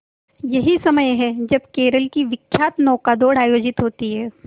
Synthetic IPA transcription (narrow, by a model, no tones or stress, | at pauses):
jɐɦisɐməjɦɛd͡ʒɐbkeːɾəlkiʋɪkʰːjaːt̪nɔːkad̪oːɽaːjoːd͡ʒɪt̪ɦoːt̪iɦɛː